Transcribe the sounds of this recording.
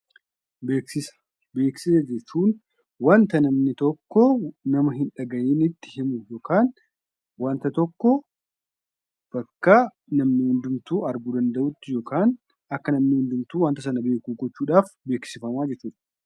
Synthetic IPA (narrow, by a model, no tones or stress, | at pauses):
beːksɪsɐ̥ | be̞ːksɪsɛd͡ʒɛt͡ʃːuːn | wɐnt̪ɐnɐmnɪt̪ɔkːɔnɐmɐɦɪnᶑɐɡɐʔeːnɪt̪ːɪ̥hɪmʊjo̞ːkaːn | wɐnt̪ɐt̪ɔkːɔ | b̥ɐkːa | nɐmnɪhʊnd̪ʊmt̪uːɐɾɡʊd̪ɐnd̪ɐʔʊt̪ːɪjo̞ːkaːn | ɐkːɐnɐmnɪhʊnd̪ʊmt̪uːwɐnt̪ɐs̬ɐnɐbe̞ːkuːɡɔt͡ʃːuːᶑaːfbe̞ːksɪfɐmaːd͡ʒɛt͡ʃːuːᶑɐ̥